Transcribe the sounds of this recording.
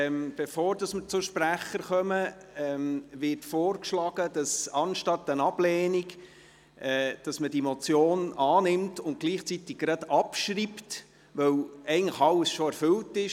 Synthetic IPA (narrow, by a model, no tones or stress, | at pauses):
mb̥efoːɾdɑsməɾt͡sʊʃpɾæχəɾχœməɛmʋɪrtfoːrkʃlɑɡ̥əd̥ɑsɑnʃtɑtːənɑb̥lɛːnik | ɛd̥ɑsmədiemot͡sjoːnɑːnɪmtʊnt̚ɡ̥liːχt͡sit̪ɪk̚ɡɾɑdɑpʃɾipt | ʋœwɛɪɡən̩tləχɑlːəsʃoæɾfʏltɪʃ